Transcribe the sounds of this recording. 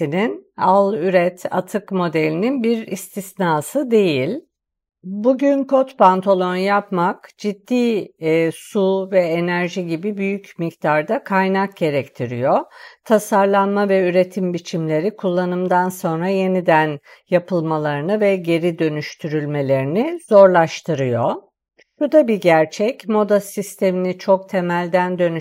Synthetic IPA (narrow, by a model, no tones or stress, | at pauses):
ininalˠyɾɛt̪ʰa̰t̪ʰɯkmo̞d̪elʲininbiɾist̪ʰisnaːsɯd̪e̞jilʲ | buɟynkʰo̞t̪pant̪ʰalˠo̞njapmakd͡ʒid̪ːiː | suvɛenæɾʒiɟibibyjycmict̪ʰaɾd̪akʰajnak̚ɟe̞ɾɛct̪ʰiɾḭjo̞t̪ʰasaɾlˠanmavɛyɾe̞t̪ʰimbit͡ʃʰimlʲe̞ɾikʰulˠːanɯmd̪anso̞nɾaje̞nid̪ænjapʰɯlˠmalˠaɾɯnɯvɛɟe̞ɾid̪ø̞nyʃt̪ʰyɾylʲme̞lʲe̞ɾinizo̞ɾlˠaʃt̪ʰɯɾɯjo | ʃud̪abiɟæɾt͡ʃʰɛcmo̞d̪asist̪ʰe̞minit͡ʃʰo̞k̚t̪ʰe̞mælʲd̪ænd̪ø̞ny